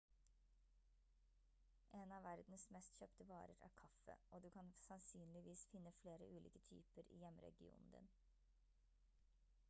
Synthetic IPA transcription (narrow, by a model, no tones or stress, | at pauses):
ʔeːnɑːʋæɾd̪n̩smɛst̪çøːpt̪əʋɑːɾəɾæ̰ːɾkʰɑfə̰ʔoːd̪ʉːkʰɑnsɑnsyːnlɪʋiːsfɪnːəfleːɾə̰ʔʉːlḭːkət̪ʰy̰ːpəɾʔḭːjɛmɾɛ̰ɡɪṵːnn̩d̪ɪ̰n